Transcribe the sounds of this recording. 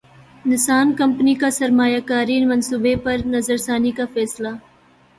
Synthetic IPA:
nɪsaːnkɐmpnikasɐɾmaːjaːkaːɾinmɐnsubepɐɾnɐzəɾsaːnikafɛːsla

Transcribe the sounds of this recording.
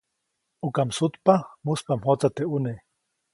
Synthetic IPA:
ukamsut̪pamuspamhot͡sat̪eune

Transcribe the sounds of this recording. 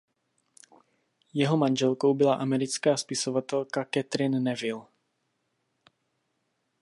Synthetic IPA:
jɛɦomanʒɛlko̞wbɪlaʔamɛɾɪt͡skaːspɪsovat̪ɛlkakɛt̪ɾɪnːɛvɪl

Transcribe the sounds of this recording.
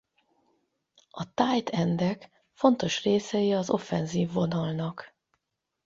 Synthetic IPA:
ɒt̪aːjt̪ɛnd̪ɛk | fo̞nt̪o̞ʃreːsɛjiɒzo̞̰fɛnziːvːo̞nɒlnɒk

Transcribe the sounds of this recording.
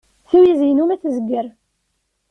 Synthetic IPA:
θuwizjənumæθzəɡːəɾ

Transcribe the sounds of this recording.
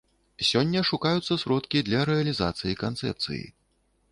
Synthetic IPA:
sʲɔnʲːɐʂukajut̪sːɐsɾɔt̪kʲid̪lʲɐɾɛɐlʲiza̰t̪sɨjikant̪sɛ̰p̚t̪sɨ̰jḭ

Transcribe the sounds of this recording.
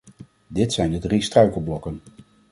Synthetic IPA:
dɪtsɛjndədristrœɥkəlˠblɔkən

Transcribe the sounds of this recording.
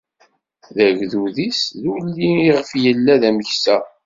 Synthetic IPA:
ðæʝðuðisðulːiiʁəfjəlːæðæməçsæ

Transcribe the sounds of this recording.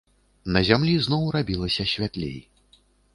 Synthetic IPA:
nɐzʲamlʲiznɔwrabʲilˠɐsʲɐsʲvʲat̪lʲḛj

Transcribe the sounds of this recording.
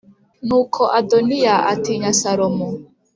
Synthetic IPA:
nukʰɔʔadɔniaʔa̰tiɲasaɾɔmɔ

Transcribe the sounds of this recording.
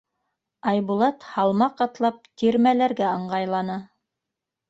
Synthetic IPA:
ɑjβulˠɑt̪hɑlˠmɑqɑt̪lˠɑp̚t̪ʲiɾmælæɾɡæɤ̆ɴɢɑjlˠɑnɤ

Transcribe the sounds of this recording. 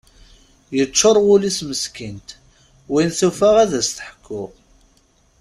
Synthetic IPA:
jət͡ʃːoɾˤwʊlisməskint̪ | winθufaʁæðæst̪əħə̥kʰːʊʁ

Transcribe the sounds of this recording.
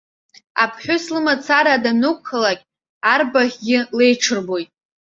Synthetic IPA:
a̰pʰħʷᶣʊslɨmat͡sʰaɾaːdanukʷʰːalakʲʼ | arbaχʲɡʲɪle̞jʈ͡ʂʰɨrbo̞jtʼ

